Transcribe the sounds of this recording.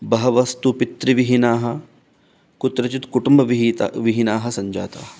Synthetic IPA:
bɐɦɐʋɐst̪upit̪ɾiʋiɦinaːɦɐ̆ | kut̪ɾɐt͡ʃit̪kuʈumbɐʋiɦt̪ʋiɦinaːɦɐ̆sɐɲd͡ʒa̰ːt̪a̰ːɦɐ

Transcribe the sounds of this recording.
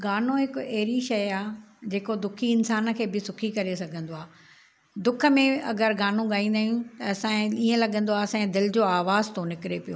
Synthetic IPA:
ɡaːnõɦɪkʊɐɦɪɾiʃɐjaːd͡ʑeːkod̪ʊkʰiɪnsaːnkʰeːbɪsʊkʰikɐɾesɐɡʱə̃nd̪oaː | d̪ʊkʰə̆mẽɐ̰ɡəɾɡaːn̤ũɠaːĩːnd̪aːjũt̪ɐɐsãẽiːə̃lɐɠə̃nd̪oaːɐsãːẽd̪ɪld͡ʑoːaːʋaːzt̪onɪkɪɾepijoː

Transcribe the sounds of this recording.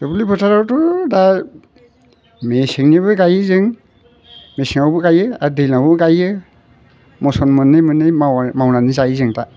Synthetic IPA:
tɔbulibɔtʰaɾawtɔda | mesiŋnibɯɡajɯzɯŋ | mesiŋawbɯɡajɯadilawbɯɡajɯ | mɔsɔnmɯnɯmɯnɯmawnanizajzɯŋta

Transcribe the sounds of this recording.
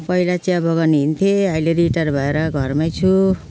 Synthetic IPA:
pʌilat͡sjabʌɡaniɦint̪ʰjeʌjleɾiʈʌrbʱʌeɾʌɡʱʌrmajt͡sʰu

